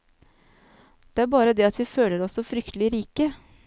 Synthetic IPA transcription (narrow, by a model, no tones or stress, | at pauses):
d̪̥ɛæɾbɑːɾəd̪ɛɑt̪ʰʋiːføːləɾɔsːɔfɾʏkt̪əlɪɾiːkə